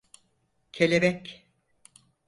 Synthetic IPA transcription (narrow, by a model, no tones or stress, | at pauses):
cʰelʲebɛc